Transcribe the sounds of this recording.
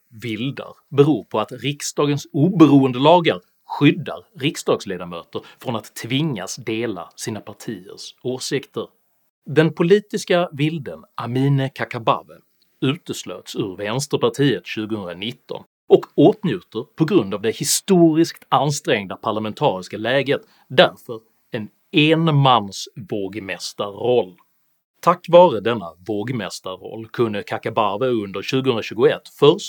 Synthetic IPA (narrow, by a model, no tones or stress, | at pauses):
vɪld̪a̰ɾbɛɾuːɾpʰɔat̪ɾɪksd̪ɑːɡənsuːbəɾuːənd̪əlɑːɡaɾ | ɧʏd̪ːa̰ɾɾɪksd̪ɑːɡsleːd̪amøːt̪əɾfɾɔnat̪ʰːvɪŋːa̰sd̪eːla̰siːnapʰaʈʰiːə̰ɾʂoːsɪkt̪ʰəɾ | d̪ɛnpʰʊliːt̪ɪskavɪld̪ənʔamiːnəkʰakaba̰və | ʉ̟ːt̪əslø̰ːt̪sɵɾvɛnst̪əɾpaʈʰiːət̪ɕʉ̟ːɡəhɵnd̪ɾanɪt̪ːɔ̰n | ɔkoːt̪njʉ̟ːt̪əɾpʰɔɡɾɵnd̪avd̪ɛhɪst̪uːɾɪskt̪anst̪ɾɛŋd̪apʰaɭamɛnt̪ʰɑːɾɪskalɛːɡət̪ | d̪æɾfœɾ | ɛn | enmanːsvoːɡmɛst̪aːɔlː | t̪ʰakːvɑːɾəd̪ɛnːa̰voːɡmɛst̪aɾɔ̰lːkʰɵnːəkʰakabavəɵnd̪əɾɕʉ̟ːɡəhɵnɾaɕʉ̟ːɡʊɛ̰t̪ːfœɾʂt